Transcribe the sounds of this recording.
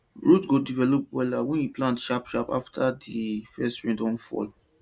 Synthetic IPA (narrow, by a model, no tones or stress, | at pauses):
ɹutɡodivɛlɔpwɛlawɛ̃njuplãntʃapʃapa̰ftʰadifɛstɹĩndɔ̃nfɔ̰l